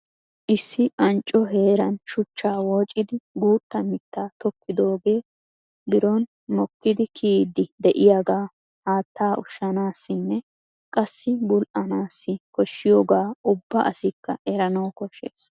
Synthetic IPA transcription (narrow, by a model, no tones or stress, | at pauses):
ʔɪsːɪʔɐnt͡ʃʼɔɦe̞ːɾɐnʃʊt͡ʃːaːwoːt͡ʃʼːɪd̪ɪɡuːt̪ːɐmɪt̪ːaːt̪ɔkʰːɪd̪o̞ːɡe̞ː | bɪɾɔn | mɔkːɪd̪ɪkʰiːd̪ːɪd̪ɛʔɪjaːɡaː | haːt̪ʰːaːʔʊʃːɐnaːsːɪnːɛ | kʼɐsːɪbʊlʔɐnaːsːɪkɔʃːɪjoːɡaːʔʊbːɐʔɐsɪkːɐʔɛɾɐnɐwkɔʃḛːs